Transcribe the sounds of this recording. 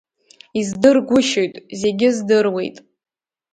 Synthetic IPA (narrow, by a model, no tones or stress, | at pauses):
izdɨrɡʷʊʃojtʼze̞ɡʲɪzdɨrwe̞jtʼ